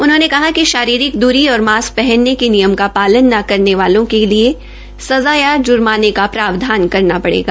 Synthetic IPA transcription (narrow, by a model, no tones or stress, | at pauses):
ʊnɦõːnekɐɦakiʃaːɾiːɾɪk̚d̪uːɾiɔːɾmaːs̚pɛɦɛnːekinijəmkapaːlənːakɐɾneʋaːlõkelie | sɐzaːjad͡ʒʊɾmaːnekapɾaːʋd̪ʱaːnkɐɾnapɐɽḛːɡaː